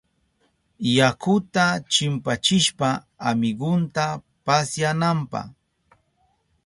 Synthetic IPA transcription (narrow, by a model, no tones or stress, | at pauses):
jakʊt̪at͡ʃɪmpat͡ʃɪʃpa | amɪɡʊnt̪a | pasjanampɑ̰h